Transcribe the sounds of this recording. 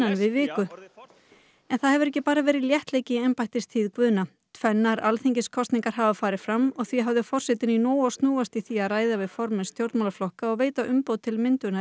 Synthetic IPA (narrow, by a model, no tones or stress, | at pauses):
anvɪðvɪːkʏ | ɛnθaðhɛvʏɾɛhcːɪpaːɾavɛːɾɪðljɛht̪leːjcɪɛmpajht̪ɪst̪ʰiːðkvʏːna | t̪ʰvɛnːaɾalθiɲcɪskʰɔst̪niŋkaɾ̥ɦaːvafaːɾɪ̥fɾamːɔɣθviɦavðʏfɔr̥sɛt̪ɪninɔːwɔst̪nuːast̪iθiaðraːjðavɪðfɔɾmɪnst̪jowɾt̪mawlaflɔhkaɔɣveːjt̪aʔʏmpowt̪ʰɪlmɪnt̪ʏna